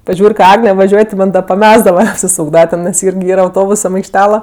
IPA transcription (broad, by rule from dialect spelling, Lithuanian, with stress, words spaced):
pɐˈʒʲuːrʲ kɐ ˈɑːɡnʲɛ ʋɐˈʒʲuɔj tʲɪ ˈmɐnʲ dɐ pɐˈmʲæːzdɐʋɐ ɐpʲsʲɪˈsuːɡdɐʋɐ nʲɛs tʲɛn ˈɪrʲɡʲɪ ˈiːrɐ ɐʊˈtoːbʊsɐm ɐɪkʃʲˈtʲæːlˠɐ